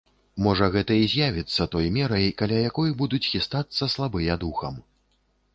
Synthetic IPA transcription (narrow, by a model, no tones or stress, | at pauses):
mɔʐɐɣɛt̪ɐizʲjavʲit̪sːɐt̪ɔjmʲɛɾɐjkalʲajakɔjbud̪ut͡sʲxʲist̪at̪sːɐslˠabɨjɐd̪uxɐm